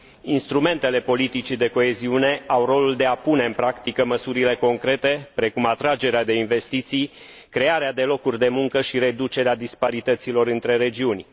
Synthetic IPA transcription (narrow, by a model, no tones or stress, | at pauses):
inst̪ɾume̞nt̪e̞le̞po̞lit̪it͡ʃid̪e̞ko̞e̞ziune̞awro̞luld̪e̞apune̞ɨnpɾakt̪ikəməsuɾile̞ko̞ŋkɾe̞t̪e̞pɾe̞kumat̪ɾad͡ʒe̞ɾead̪e̞inve̞st̪it̪sij | kɾe̞aɾead̪e̞lo̞kurʲd̪e̞muŋkəʃiɾe̞d̪ut͡ʃe̞ɾead̪ispaɾit̪ət̪silo̞ɾɨnt̪ɾe̞ɾe̞d͡ʒiunʲ